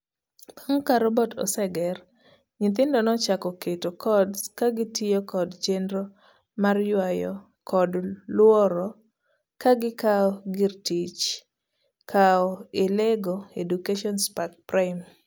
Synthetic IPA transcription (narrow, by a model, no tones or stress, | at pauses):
paŋkaɾɔbɔtɔ̰sɛɡɛr | ɲɪt̪̬ɪndɔnɔt͡ʃakɔketokʰɔdskaɡɪtɪjokɔdd͡ʒendɾo | marjwajɔ | kɔdlwɔɾɔ | kaɡɪkaɔɡɪrtit͡ʃ | kʰaɔeleɡoedukeʃɔnspakpɾaɪm